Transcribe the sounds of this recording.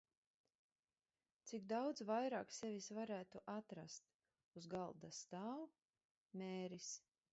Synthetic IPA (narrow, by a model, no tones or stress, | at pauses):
t̪sikd̪awd̪zvajɾaːksevisvaɾæːt̪uʔat̪ɾast̪ | uzɡalˠd̪ast̪aːw | mʲeːɾis